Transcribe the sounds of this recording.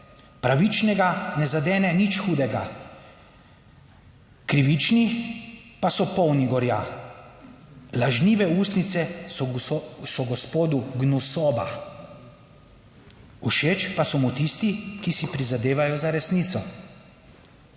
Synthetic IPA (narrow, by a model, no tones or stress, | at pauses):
pɾaʋit͡ʃnɛɡanɛzad̪ɛːnɛnit͡ʃxuːd̪ɛɡa̰ | kɾiʋit͡ʃni | pasɔpɔwniɡɔɾjaː | laʒniːʋɛuːst̪nit̪sɛ | sɔɡɔspoːd̪uɡnusɔːba̰ | uʃeːt͡ʃpasɔmut̪ist̪ikisipɾizad̪eːʋajɔzaɾɛsniːt̪sɔ